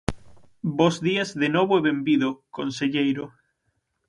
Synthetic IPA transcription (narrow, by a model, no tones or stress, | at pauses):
bozðiazðenoβoeβembiðokonseʎejɾo